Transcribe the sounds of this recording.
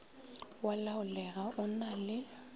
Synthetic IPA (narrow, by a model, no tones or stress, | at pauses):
walaʊlɛɣaʔʊnalɪ